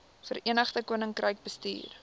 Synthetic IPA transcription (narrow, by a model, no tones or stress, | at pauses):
fəɾiənəχtəkuənəŋkrəjk̚bəstḭːr